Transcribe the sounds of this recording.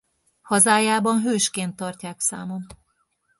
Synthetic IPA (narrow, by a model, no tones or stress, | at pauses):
hɒzaːjaːbɒnɦøːʃkeːnt̪ːɒrcaːksa̰ːmom